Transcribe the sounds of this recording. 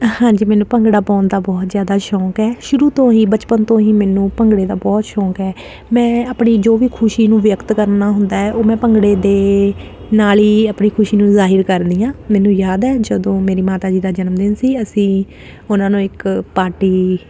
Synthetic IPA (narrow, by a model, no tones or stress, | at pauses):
hãːɲd͡ʒiːmɛːnũːpəŋɡɽaːpɔ̃ːnd̪aːbɔːt̪zjaːd̪aːʃɔːkɛːʃʊɾuːt̪õːɦĩːbət͡ʃpənt̪õːɦiːmɛːnũːpəŋɡɽeːd̪aːbɔːt̪ʃɔːkɛː | mɛ̃ːəpɳiːd͡ʒoːʋiːkʰʊʃiːnũːʋjəkt̪kəɾnaːɦʊnd̪aːɛːʔoːmɛ̃ːpəŋɡɽeːd̪eː | naːliːəpɳiːkʰʊʃiːnũːzaːɦəɾkəɾd̪iːãːmɛːnũːjaːd̪ɛːd͡ʒəd̪õːmeːɾiːmaːt̪aːd͡ʒiːd̪aːd͡ʒənəmd̪ɪnsiːəsĩː | ʊnãːnũːɪkpaːʈiː